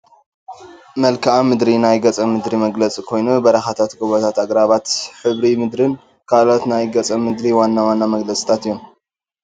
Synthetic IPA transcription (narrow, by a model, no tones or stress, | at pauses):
mɐlkʰaʔamɨd̪ɾinajɡɐt͡sʼɐmɨd̪ɾimɐɡlɐt͡sʼikʰo̞jnubɐɾɐxat̪ʰat̪ɡoβot̪ʰat̪aɡɾaβat̪ħɨβɾimɨd̪ɾɨn | kʰalo̞t̪najɡɐt͡sʼɐmɨd̪ɾiwanːawanːamɐɡlɐt͡sʼi̥t̪ʰat̪ɨjːom